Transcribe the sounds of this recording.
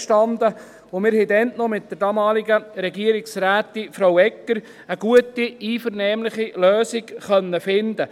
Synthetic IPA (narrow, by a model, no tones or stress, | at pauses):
ʃtɑnd̪ə | ʋomɪːɾhɛdɛntnɔmɪt̚d̥əɾdɑːmɑːlɪɡəɾɛɡiəɾɪksræːt̪ifɾowɛkːəɾ | əɡ̥uətiiːfəɾnɛːmlɪχiløːsɪkχœnːəfɪnd̪ə